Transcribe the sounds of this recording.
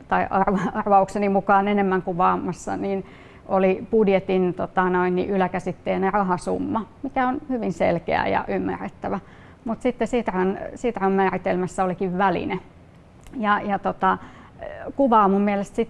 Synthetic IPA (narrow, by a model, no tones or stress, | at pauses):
t̪ɑiʔɑrʋɑɑrʋɑuksenimukɑːnenemːæŋkuʋɑːmːɑsːɑ̰niːn | ʔolipudjet̪int̪ot̪ɑnoinnḭʔylækæsit̪ːeːnerɑɦɑsṵmːɑmikæonhyʋinsḛlkḛæ̰jɑ̰ʔymːæ̰rːet̪ːæʋæ | mut̪sit̪ːesit̪rɑnsiːt̪rɑhɑmmæːrit̪elmæsːæolikiʋʋælḭne | jɑjɑt̪ot̪ɑ | kuʋɑːmummiælest̪sit̪